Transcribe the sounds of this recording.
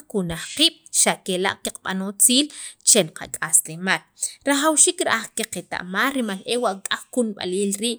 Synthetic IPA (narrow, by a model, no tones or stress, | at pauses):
kunaχqiːɓ̥ʃakela̰ʔkiq͡χɓa̰not͡siːlt͡ʃelqʰa̰kʼaslemaːlɾaχawʃiːkɾaʔaχkeqet̪a̰ʔmaːlɾimalʔewaʔkʼaχkunɓa̰liːlɾiːʔ